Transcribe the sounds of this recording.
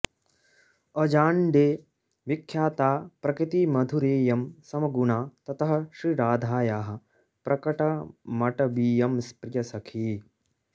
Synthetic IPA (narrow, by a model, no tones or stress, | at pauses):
ɐd͡ʒaːɳɖeː | ʋikʰjaːt̪aːpɾɐkɾit̪imɐd̪ʱuɾeːjɐmsɐmɐɡuɳaːt̪ɐt̪ɐɦɐ̆ʃɾiɾaːd̪ʱaːjaːɦɐ̆ | pɾʔɐkɐʈɐmɐʈɐbiːjɐmspɾɪjɐsɐkʰi